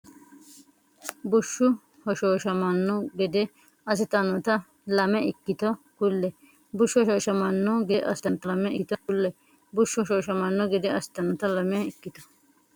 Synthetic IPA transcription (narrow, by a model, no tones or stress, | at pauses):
bʊʃːʊ | hɔʃoːʃɐmɐnːɔɡɛd̪ɛ | ɐs̬ɪt̪ɐnɔt̪ɐ | lɐmɛɪkːɪt̪ɔ | kʊlːɛ | bʊʃːʊhɔʃoːʃɐmɐnːɔɡɛʔɐsɪ̥t̪ɐnt̪ɐɐmɛʔɪt̪ɔkʊlːɛ | bʊʃːʊɔʃoːʃɐmɐnːɔɡɛd̪ɛɐsɪ̥t̪ɐnɔt̪ɐlɐmɛɪkːɪt̪ɔ̥